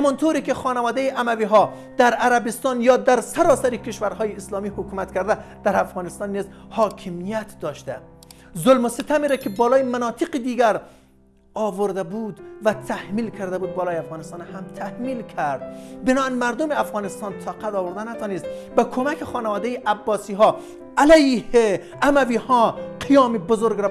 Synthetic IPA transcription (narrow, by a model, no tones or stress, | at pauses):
hamɒːnt̪ʰoːɾiːkexɒːnævɒːd̪ejiʔæmæviːɦɒ | d̪̥æɾæɾæbist̪ɒnjɒːd̪æɾsaɾɒːsaɾikʰeʃvæɾhɒːjiːslɒːmiːhokuːmæt̪kʰæɾd̪æd̪̥æɾæfɣɒːnɪst̪ɑnːizhɒːkʰimijæt̪d̪ɒːʃt̪æ | zolmosit̪ʰæmiɾækʰebɒːlɒːjimænɒːt̪ʰɪqid̪iːɡæɾ | ɒːvoɾd̪æbuːd̪væt̪ʰæhmiːlkʰæɾd̪æbuːd̪̚bɒːlɒːjæfɣɑːnest̪ɑːnhæmt̪ʰæhmiːlkʰæɾd̪̥̚benɔːænmæɾd̪omeæfɣɑːnest̪ɑːnt̪ʰɑqæt̪ɒːvoɾd̪ænæt̪ʰɒːnest̪bækʰomækʰexɒːnævɒːd̪ejiʔæbːɒːsiːɦɒː | ælæjhe | æmæviːhɒːqʰijɒːmibozoɾɡɾæ